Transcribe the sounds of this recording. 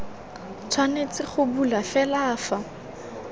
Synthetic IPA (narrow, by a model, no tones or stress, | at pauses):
t͡sʰwanet͡sɪχʊbulafɛlaːfa